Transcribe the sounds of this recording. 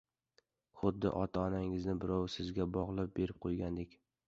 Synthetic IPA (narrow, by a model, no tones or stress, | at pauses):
χʊd̪ːɪ̰ʔɒt̪ʰaɒnaŋɪznɪbɪɾɒwsɪzɡʲabɒʁlˠɪp̚be̞ɾɪp̚qʰojɡʲand̪ekʲ